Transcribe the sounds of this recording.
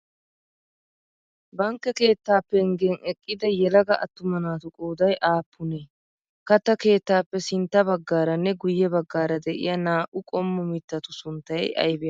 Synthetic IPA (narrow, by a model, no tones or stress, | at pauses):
bɐŋkːɛke̞ːt̪ːaːpːɛŋɡɛːŋɛkʼːɪd̪ɐjɛlɐɡɐʔɐ̰t̪ːʊmɐnaːt̪ʊkʼoːd̪ɐjʔaːpːʊneː | kɐt̪ːɐke̞ːt̪ːaːpːɛsɪnt̪ːɐbɐɡːaːɾɐnːɛɡʊjːɛbɐɡːaːɾɐd̪ɛʔɪ̰jɐnaːʔʊkʼɔmːʊmɪt̪ːɐt̪ʊsʊnt̪ːɐjʔɐ̰jbɛjɐ